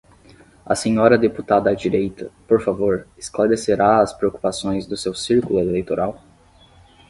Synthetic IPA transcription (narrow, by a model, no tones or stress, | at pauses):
ɐ̰sẽɲɔɾɐd̪eput̪ad̪ɐːd͡ʒiɾejt̪ɐpoɾfavoɾɪ̥sklaɾeseɾaɐspɾeoku̥pasõj̃zd̪ʊsewsiɾkulʊelejt̪oɾaw